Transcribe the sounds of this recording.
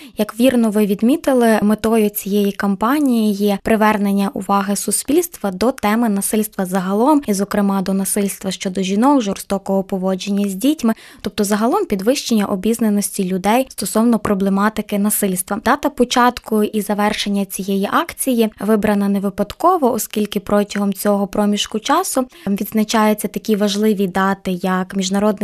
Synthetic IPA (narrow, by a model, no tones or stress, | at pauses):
jɐkʋʲirnɔʋɪʋʲid̪mʲit̪ɪlˠɪmet̪ɔjʊt͡sʲijɛjikɐmpɑnʲijijɛpɾɪʋɛrne̞nʲːɐʔʊ̰ʋɑɦɪsʊspʲilʲst̪ʋɐd̪ɔt̪ɛmɪnɐsɪlʲst̪ʋɐzɐɦɐlˠɔmizɔkɾɪmɑd̪ɔnɐsɪlʲst̪ʋɐʃt͡ʃɔd̪ɔʒʲinɔkʒɔrst̪ɔkɔɦɔpɔʋɔd͡ʒenʲːɐzʲdʲitʲmɪ | t̪ɔp̚t̪ɔzɐɦɐlˠɔmpʲid̪ʋɪʃt͡ʃenʲːɐʔɔbʲiznenɔsʲtʲilʲʊd̪ɛjst̪ɔsɔwnɔpɾɔblˠemɑt̪ɪkɪnɐsɪlʲst̪ʋɐd̪ɑt̪ɐpɔt͡ʃɑt̪kʊʔizɐʋɛrʃenʲːɐt͡sʲijɛjiʔɑkt͡sʲijiʋɪbɾɐnɐneʋɪpɐd̪kɔʋɔʔɔskʲilʲkɪpɾɔtʲɐɦɔmt͡sʲɔɦɔpɾɔmʲiʃkʊt͡ʃɑsʊʋʲid̪znɐt͡ʃɑjʊt͡sʲːɐt̪ɐkʲiʋɐʒlˠɪʋʲid̪ɑt̪ɪjɐkmʲiʒnɐɾɔd̪nɪ